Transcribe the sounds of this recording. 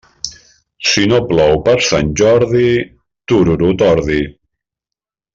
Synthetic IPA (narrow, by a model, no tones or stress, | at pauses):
sinoplɔwpəɾsanʲʒɔɾði | t̪uɾuɾut̪ɔɾði